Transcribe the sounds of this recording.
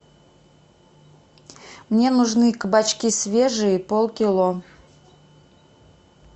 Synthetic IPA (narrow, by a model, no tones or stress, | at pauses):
mnʲenʊʐnɨkəbat͡ɕkʲisʲvʲeʐɨipolˠkʲɪlˠo